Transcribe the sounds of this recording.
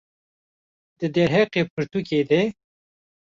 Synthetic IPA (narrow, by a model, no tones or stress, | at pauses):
d̪̥ɨd̪eɾɦeqepʰɨɾt̪ukeːd̪e